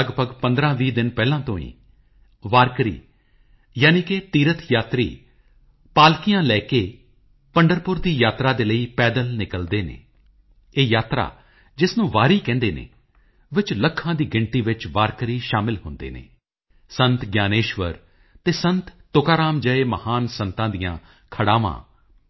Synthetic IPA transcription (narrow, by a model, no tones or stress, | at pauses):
əɡpəɡpə̃nd̪ɾãːʋiːd̪ɪnpɛːlãːt̪õ̰ːḭː | ʋaːɾkɾḭː | jaːniːket̪iːɾət̪ʰjaːt̪ɾiː | paːlkijãːlɛːkeː | pəɳɖəɾpʊɾd̪iːjaːt̪ɾaːd̪eːləiːpɛːd̪əlnɪkəld̪eːnḛː | eːjaːt̪ɾa̰ː | d͡ʒɪsnũːʋaːɾiːkɛ̃ːnd̪eːnḛː | ʋɪt͡ʃləkʰːãːd̪iːɡɪɳʈiːʋɪt͡ʃʋaːɾkɾiːʃaːmɪlɦʊnd̪ḛːnḛː | sənt̪ɡjaːneːʃʋə̰ɾ | t̪eːsənt̪ːʊkaːɾaːmd͡ʒəeːməhaːnsənt̪ãːd̪ijã̰ː | kʰəɽaːʋã̰ː